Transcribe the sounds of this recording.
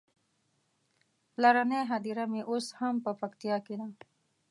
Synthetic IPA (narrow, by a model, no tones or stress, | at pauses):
laɾaneɦad̪iɾamẽʔʊshɐmpəpɐkt̪ijakid̪ãː